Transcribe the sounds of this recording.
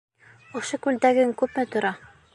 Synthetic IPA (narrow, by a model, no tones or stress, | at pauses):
ŏʃokʉld̪æɡɘŋkʉpmɘt̪ŏɾɑ